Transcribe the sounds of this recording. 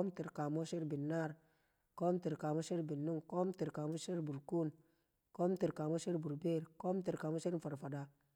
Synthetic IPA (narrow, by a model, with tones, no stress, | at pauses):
ko˦mti˨ɾka˨mo˦ʃi˦ɾbi˨nːa˦˨ɾ | ko˦mti˨ɾka˨mo˦ʃi˦ɾbi˨nːu˦ŋko˦mti˨ɾka˨mo˦ʃi˦ɾbu˨ɾku˦n | ko˦mti˨ɾka˨mo˦ʃi˦ɾbu˨ɾbe˦˨ɾko˦mti˨ɾka˨mo˦si˦ɾfa˨ɾfa˨da˨